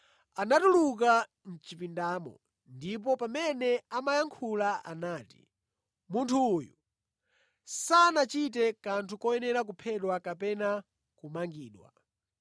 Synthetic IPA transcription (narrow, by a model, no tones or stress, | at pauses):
anatuluk̬a | n̩t͡ʃipindaːmɔ̰ | ndip̬ɔpamɛnɛamajaŋkʰulaʔa̰naːti̥̰ | muntʰuːjṵ | sanat͡ʃitɛkantʰukɔjɛnɛɾak̬upʰɛɗwakapɛna | kumaŋɡiːɗwa̰